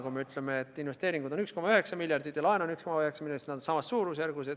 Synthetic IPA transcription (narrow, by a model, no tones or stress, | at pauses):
kumeyt̪lemeːt̪ːˑinve̞st̪eːɾiŋɡud̪o̞nyksko̞mɑyɦe̞ksɑmilʲjɑrd̪it̪jɑlɑenonykskomɑøheksɑmilʲɑsnæd̪onsɑmɑsːuːɾusjærɡused̪